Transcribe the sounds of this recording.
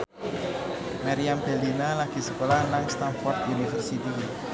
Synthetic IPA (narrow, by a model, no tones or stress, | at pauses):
maɾiambɛ̤linalaɡ̥i̤səkolahnaŋst̪anfɔrt̪unifərsit̪i